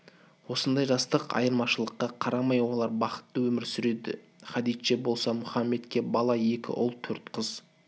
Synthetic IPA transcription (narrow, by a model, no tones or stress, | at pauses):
wo̞sənd̪ɑjʒɑst̪əqɑ̰jəɾmɑʃəlˠəqːɑqʰɑɾɑmɑjwo̞lˠɑɾbɑqə̥t̪ːəwɵmɪɾsʏɾe̞d̪ɪ̰ | χɑd̪ijt̪ʃe̞bo̞lˠsɑmʊχɑmːe̞t̪kʲe̞bɑlˠɑe̞kʲɪ̰ʔʊ̰lˠt̪ʰɵɾt̪qʰəz̥